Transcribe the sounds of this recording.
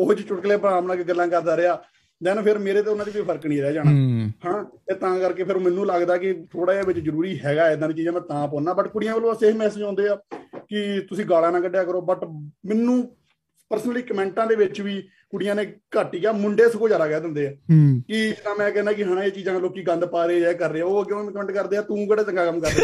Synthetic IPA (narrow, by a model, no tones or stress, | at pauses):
oɦt͡ʃt͡ʃʊʈkleːpəɾaːmnaːkeɡəlːãːkəɾd̪aːɾeaː | d̪ɛːnpʰɪɾmeːɾeːt̪̬eːʊnãːd̪iːkoipʰəɾəknĩːɾɛːd͡ʒaːnaːhaɳaːet̪ãːkəɾkeːpʰɪɾoːmɛnːũːləɡd̪aːkɪt̪ʰoːɽaːeːʋɪt͡ʃzəɾuːɾiːɦɛːɡaːɪd̪ãːd̪iːt͡ʃiːzãːmɛ̃ːt̪ãːpɔ̃ːnãːbəʈkʊɽɪjãːʋəlːõːseːmɛːsəd͡ʒãːnd̪eːaːkɪt̪ʊsĩːɡaːlaːnãːkəɖejaːkəɾoːbəʈmɪnːũː | pəɾsənəliːkəmɛ̃ːɳʈãːd̪eːʋɪt͡ʃʋiː | kʊɽɪjãːneːkəʈiːkaːmʊɳɖeːsəkoːd͡ʒaːɾaːkɛːd̪ɪ̃nd̪eːɛːkɪd͡ʒənãːmɛ̃ːkɛːnãːkɪɦəɽãːeːt͡ʃiːzãːloːkiːɡə̃nd̪paːɾeːɛːkəɾːeːɛːoːɡjõːkəmɛ̃ːɳʈkəɾd̪eːaːt̪ũːkəɖeːt͡ʃəŋɡaːkəmkəɾːe